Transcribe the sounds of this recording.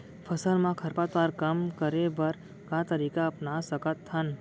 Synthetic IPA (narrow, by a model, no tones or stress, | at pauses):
pʰəsəlmãkʰəɾpat̪ʋaɾkəmkəɾebəɾ | kãt̪əɾikaəpnasəkət̪hən